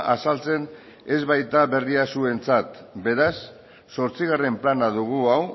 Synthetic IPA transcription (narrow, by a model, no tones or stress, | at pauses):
asalt͡se̞n | e̞zβajt̪aβe̞riasue̞nt͡sat̪be̞ɾasː | o̞ɾt͡siɣ̞are̞mplanaðuɣ̞uaw